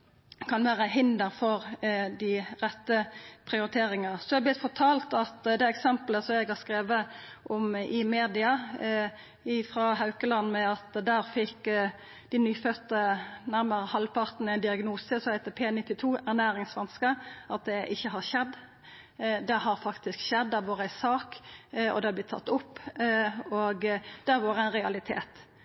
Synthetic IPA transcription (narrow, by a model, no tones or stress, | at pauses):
kʰɑnʋæːʁəɦɪnd̪əɾfɔʁd̪ɪʁɛt̪ːəpʰʁɪʊɾɪt̪ʰeːɾɪŋɑsɔɛɑblɪt̪fɔʁt̪ʰɑːlt̪ɑt̪d̪ɛɛksɛmpləsɔmjæɡhɑʁskɾeːʋəʔɔmɪmeːd̪ɪɑ | ɪfɾɑɦɑʉkəlɑnmɛɑt̪d̪æːɾfɪk | d̪̥ɪnyːfœt̪ənæɾməʁəhɑlpʰɑʁt̪n̩æɪnd̪ɪɑɡnuːsəsɔhæɪt̪əpʰeːnɪt̪ːɪt̪ʰuːæʁnæːɾɪŋsʋɛnskəʔɑt̪̚d̪ɛʔɪçːəɦɑʁʃɛd̪ | d̪ɛhɑɾfɑkt̪ɪskʃɛd̪ːɑʋoːɾəæɪsɑːkɔ̰d̪ɛhɑb̪ɪt̪ʰːɑ̰t̪ːʊpː | oɡd̪̥æɾʋoːɾəæɪnɾʁɛɑlɪt̪ʰḛːt̪